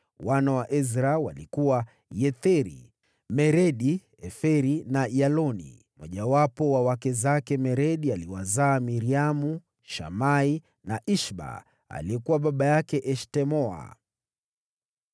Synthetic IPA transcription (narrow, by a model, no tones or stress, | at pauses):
wanawaʔɛzɾawa̰likuwa | jɛθɛɾḭ | mɛɾɛɗi | ɛfɛɾinajalɔnḭ | mwʔɔʄawapɔwawakɛzakɛmɛɾɛɗialiwazaːmiɾiamu | ʃa̰mai | naʔiʃɓa̰ | a̰liɛkuwaɓaɓajakɛʔɛʃtɛmɔa̰